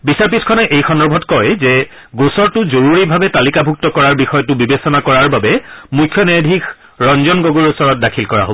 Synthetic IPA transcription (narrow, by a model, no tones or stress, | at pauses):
bisaɹpiskʰɔnɛʔejxʰɔndɔbʱɔtkɔjzɛ | ɡosɔɹtʊzoɹuɹibʱabɛtalikabʱuk̚tɔkɔɹaɹbixɔjɔtʊbibesɔnakɔɹaɹbabɛmujkʰjɔnɛdʱik | ɹɔnzɔnɡoɡuɹusɔɹɔt̚dakʰilkɔɹa̰ɦo̰bɔ